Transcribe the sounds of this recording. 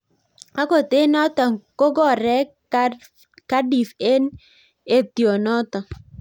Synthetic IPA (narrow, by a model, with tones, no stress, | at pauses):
a˦ko˨t̪ɪ˦nɔ˦t̪ɔ˨ko˦ɡɔ˦˨ɾɛ˦ | ka˦di˨fe˦n | e˦t̪jo˨nɔ˦t̪ɔ˨